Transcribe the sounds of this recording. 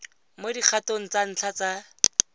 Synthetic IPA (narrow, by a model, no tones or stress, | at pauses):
modik͡xʰatoŋ̩t͡san̩t͡ɬʰat͡sa